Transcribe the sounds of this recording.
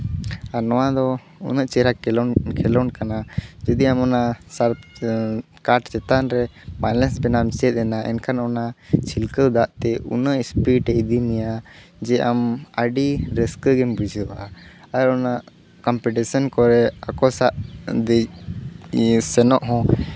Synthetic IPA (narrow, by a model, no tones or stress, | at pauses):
aɾnɔwad̪ɔ | ṵnəʔt͡ʃɛɾakʰɛlɔnkanad͡ʒɔd̪iamɔnasaɾp | kaʈt͡ʃɛt̪anɾɛmalɛnsbɛnamt͡ʃɛt̪̚ˀɛnaʔɛ̰nkʰanɔnat͡ʃʰilkəwd̪aʔt̪ɛṵnəʔspiʈɛid̪inɛjad͡ʒɛʔaməɖiɾɛskəɡɛnbud͡ʒʱɾwa | aɾɔnaʔ | kɔmpɛʈisɔnkɔɾɛa̰kɔsaʔd̪ɛ | sɛnɔʔɦɔ̃